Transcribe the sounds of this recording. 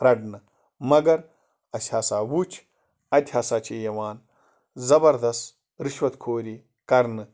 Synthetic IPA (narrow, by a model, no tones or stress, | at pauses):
ɾɐɖnɨ | mɐɡɐɾ | ɐsʲhaːsaːwuːt͡ʃʰ | ɐt̪ʲhaːsaːt͡ʃʰiːjɐwaːn | zɐbɐɾd̪ɐst̪ | ɾiʃwɐt̪kʰoːɾi | kɐɾnɨ